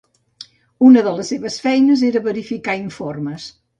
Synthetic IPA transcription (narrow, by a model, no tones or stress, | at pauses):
unəðələsːeβəsfɛjnəzeɾəβəɾifikaiɱforməs